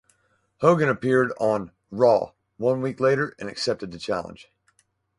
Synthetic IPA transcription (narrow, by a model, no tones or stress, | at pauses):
hoʊɡɨ̃nɨpʰɪɹɾn̩ | ɹɔ̰ | wʌ̃nwikleɪɾə˞ɨ̃nɨksɛp̚tɨd̪̚ðɨt͡ʃʰæ̰lˠə̰̃nʒ̥